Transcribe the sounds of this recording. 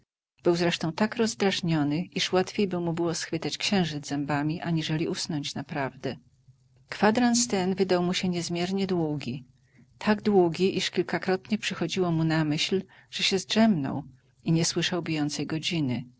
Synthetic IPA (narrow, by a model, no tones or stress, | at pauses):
b̥ɘwzɾɛʂt̪ɔ̃w̃t̪akɾɔzd̪ɾaʐɲɔnɘiʂwat̪fʲjejbɘwmubɘwɔsxfɘt̪at͡ɕkɕɛ̃w̃ʐɘd̪zɛmbamʲiʔaɲiʐɛlʲiʔusnɔɲt͡ɕnapɾavd̪ɛ | kfad̪ɾanst̪ɛnvɘd̪awmuɕɛɲɛzmʲjɛɾɲɛd̪wuɡʲi | t̪ʰaɡd̪wuɡʲiʔiʂkʲilkakɾɔt̪ɲɛpʂɘxɔd͡ʑiwɔmunamɘɕl | ʐ̥ɛɕɛzʐɛmnɔ̰w | iɲɛswɘʂawbʲijɔnt̪sɛjɡɔd͡ʑinɘ